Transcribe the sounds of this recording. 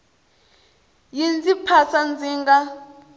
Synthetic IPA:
jind͡zipʰasand͡ziːŋɡa

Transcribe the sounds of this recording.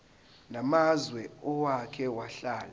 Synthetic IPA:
namazwɛɔwakʰɛwaɬaːla

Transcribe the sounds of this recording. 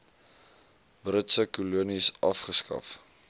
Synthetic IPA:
brətsəkuluənisʔɐfχəskɐ̰f

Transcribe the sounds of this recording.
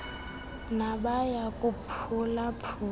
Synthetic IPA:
nabajakʼupʰulapʰu

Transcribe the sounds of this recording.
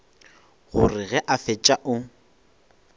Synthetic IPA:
ɣʊ̰rɪɣɛʔafɛt͡ʃʼaʔʊ

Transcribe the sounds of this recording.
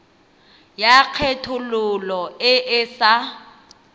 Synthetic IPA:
jak͡xʰetʰʊlʊlɔɪʔɪsa

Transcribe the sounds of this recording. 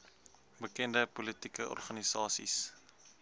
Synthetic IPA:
bəkɛndəpɔlətikəɔ̰rχɐnisɑːsḭs

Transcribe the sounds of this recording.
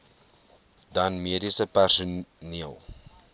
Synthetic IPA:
dɐnmiədisəpærsuniəlˠ

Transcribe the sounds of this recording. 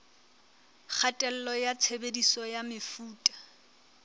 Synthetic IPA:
k͡xʰatʼɛl̩lɔjat͡sʰebedisɔjamɪfuːtʼḁ

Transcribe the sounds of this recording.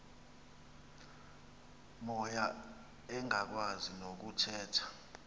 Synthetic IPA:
mɔja | ɛŋak̬wazinok̬utʰɛːtʰḁ

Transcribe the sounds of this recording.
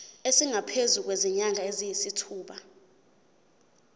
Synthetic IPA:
esiŋapʰezuk̬weziɲaŋaezijisitʰuːɓa

